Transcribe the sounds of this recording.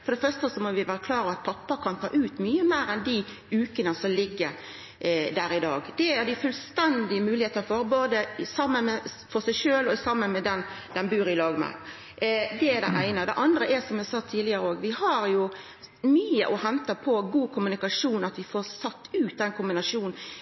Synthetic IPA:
fɔɾdɛfœɾʂst̪əsɔmɔʋɪʋæːɾəkʰlɑːɾɑʋɑt̪̚pʰɑpːəkʰɑnt̪ʰɑ̰ːʔʉːt̪myːəmeːɾɛnd̪i | ʉːkənəsɔmlɪɡːəɾ | d̪æɾɪd̪ɑːɡd̪̥ɛæɾd̪ɪfʉlst̪ɛnd̪ɪəmʉːlɪheːt̪ənfɔɾboːd̪əsɑmːənmɛfɔɾsæɪʃøːlɔsɑmːənmɛd̪ɛn | d̪ɛnbʉːɾɪlɑːɡmæ̰ | d̪ɛæɾɖ̪ɛ̰ʔæɪnəd̪ɛ̰ʔɑnd̪ɾəʔæsɔmjɪhɑsɑt̪ʰːiːd̪lɪəɾəoːɡʋɪhɑɾjʊ | myːə̰ʔɔhɛnt̪ɑpʰɔɡuːkʰʊmʉnɪkɑʂuːnɑt̪ʋɪfoːɾsɑt̪ːʉːt̪̚d̪ɛnkʰʊmbɪnɑʂuːn

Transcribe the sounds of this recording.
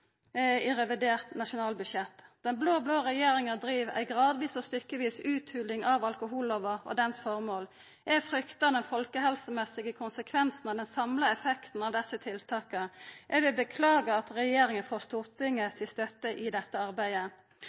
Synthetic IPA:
ɪʁɛʋɪd̪eːʁt̪nɑʃʊnɑːlbʉʃjɛt̪ːd̪̥ɛnbloːbloːʁɛjeːɾɪŋəd̪ɾiːʋæ̰ɪɡʁɑːd̪ʋiːsɔst̪ʏkːəʋiːsʉːt̪ʰhʉːlɪŋɑʋɑlkʊɦuːloʋəɔ̰d̪ɛnsfɔʁmoːl | ʔæfʁʏkt̪ɑd̪ɛnfɔlkəɦɛlsəmɛsɪɡəkʰʊnsəkʰʋɛnsn̩ɑʋd̪ɛnsɑmləɛfɛkt̪n̩ɑːʋd̪ɛsːət̪ʰɪlt̪ʰɑːkəʔɛʋɪbəkʰlɑːɡəɑt̪ʁɛjeːɾɪŋənfoːst̪uːʁt̪ʰɪŋːəsɪst̪œt̪ːəʔɪd̪ɛt̪ːəɑʁbæɪə

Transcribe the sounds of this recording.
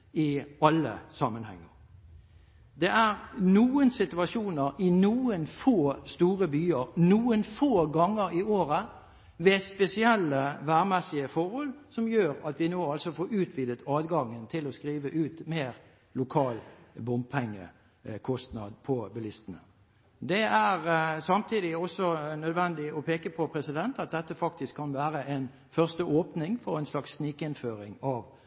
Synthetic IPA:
ɪɑlːə̰sɑmənhɛ̰ŋːəʁ | d̪ɛʔæʁnuːənsɪt̪ʉɑʃuːnəʁɪnuːənfoːst̪uːʁəbyːəʁnuːənfoːɡɑŋːəɾɪoːʁə | ʋɛːspɛsɪɛlːəʋæːʁmɛsɪəfɔʁhɔlsɔmjøːʁɑt̪ʋɪnoːɑlsɔfoːɾʉːt̪ʰʋiːd̪ət̪ɑːd̪ɡɑŋːənt̪ʰɪlɔskʁiːʋəʔʉːt̪meːʁ | lʊkʰɑːlbʊmb̚pʰɛŋːə̰ | kʰɔst̪nɑ̰d̪pʰɔbɛlɪst̪ənə | d̪ɛæʁsɑmt̪ʰiːd̪ɪɔsːɔnœd̪ʋɛnd̪ɪɔpʰeːkəpʰɔpʰɾɛsɪd̪ɛnt̪ɑt̪̚d̪ɛt̪ːəfɑk̚t̪ɪskʰːɑnʋæːʁəʔɛn | fœʁst̪əʔoːpnɪŋfɔʁæɪnslɑksːnɪkɪnføːʁɪŋɑːʋ

